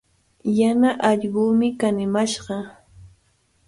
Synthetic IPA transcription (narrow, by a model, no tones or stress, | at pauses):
janaʔɑʎɢʊːmɪkanɪmaʃɢɑ